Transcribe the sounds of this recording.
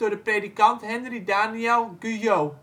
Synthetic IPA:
ʊːɹdəpredikɑntɦɛnridaːniɛlˠɡʉjow

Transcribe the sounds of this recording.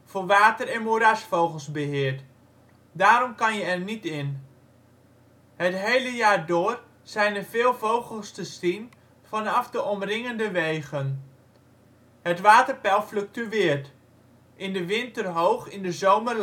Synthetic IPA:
foʋaːtərɛnmuɾasfowɣəlˠsbəɦɪərt | daːɾɔmkɑnjəɛrnitɪn | hətɦejləjaːrdʊːər | z̥ɛjnəvɪːlˠvowɣəlˠstəstin | fɔnɑfdəʔɔmrɪŋəndəʋeːɣən | hətʋaːtərpɛlˠfløk̚tyʋɪərt | ʔɪndəʋɪntərɦowxɪndəzowmər

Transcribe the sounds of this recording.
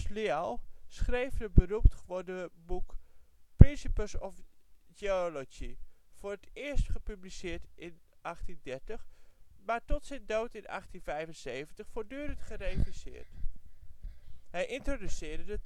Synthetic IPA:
slialˠsχrejvdəbəruptχʋodəbukprɪnsipəsɔfd͡ʒeolod͡ʒiv̥ʊːrətɪəɹstχəpyblisɪːɹtʔɪn | ʔɑχtindɛɹtəχmaɹtɔtsɛjndowtɪnɑ̰χtinvɛjvənsejvəntəχfoːɹdyːɾəntχərejfisɪ̰ːɹt | ɦɛjʔɪntrodysɪːɹdədə

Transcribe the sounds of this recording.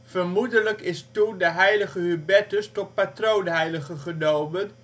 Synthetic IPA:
v̥ərmudələkɪstundəɦɛjləχəɦybɛtəstɔt̚patrownɦɛjləχəχənowmən

